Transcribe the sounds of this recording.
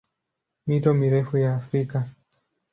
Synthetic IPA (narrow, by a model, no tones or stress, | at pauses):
mitɔmiɾɛfujaːfɾika